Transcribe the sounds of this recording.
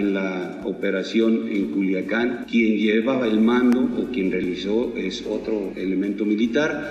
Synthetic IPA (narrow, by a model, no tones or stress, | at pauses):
enla | ope̞ɾasjo̞nḛŋkuljakankje̞nd͡ʒeβaβaelmãnd̪oʔokje̞nrealisoesot̪ɾoele̞mẽnt̪o̞milit̪aɾ